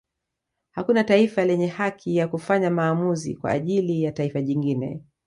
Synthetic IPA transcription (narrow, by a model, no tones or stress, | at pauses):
hakunataifalɛɲɛhakʰijakufaɲamaːmuzḭkwa̰ːʄilijataifaʄiŋɡinɛ̰